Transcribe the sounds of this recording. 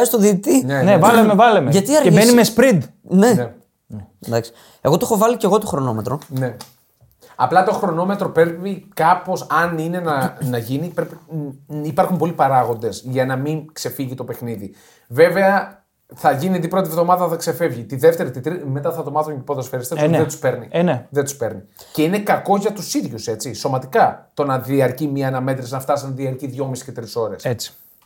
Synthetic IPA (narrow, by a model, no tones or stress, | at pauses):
st̪oðit̪inenevɐlemevɐlemeʝɐt̪iɐɾemenimespɾid̪ | nene | nd̪ɐksi̥ | e̞ɣot̪oexovɐlice̞ɣo̞t̪oxɾo̞no̞me̞t̪ɾo̞ne̞ | ɐ̰plɐt̪o̞xɾo̞no̞me̞t̪ɾo̞pe̞ɾvikɐpo̞sɐnine̞nɐnɐʝinipɾepiipɐɾxumpo̞lipɐɾɐɣo̞nd̪e̞sʝɐnɐmiŋkse̞fiʝit̪o̞pe̞xniði | ve̞ve̞ɐ | θɐʝiniɐnd̪ipɾo̞t̪ivðo̞mɐðɐθɐkse̞fe̞vʝit̪iðe̞ft̪e̞ɾit̪it̪ɾime̞t̪ɐθɐvðo̞mɐðoncepot̪esfeɾist̪eðet̪u̥spe̞ɾnḭneðet̪u̥spe̞ɾni | ce̞ine̞kɐko̞ʝɐt̪usiðʝuse̞t͡siso̞mɐt̪ikɐt̪o̞nɐðiɐɾcimiɐnɐme̞t̪ɾeznɐft̪ɐsinɐðiɐɾciðʝo̞misi̥cet̪ɾiso̞ɾe̞set͡si̥